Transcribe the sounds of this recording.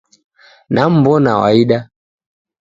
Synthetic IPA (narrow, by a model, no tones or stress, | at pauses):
nam̩bɔna̰wa̰iɗa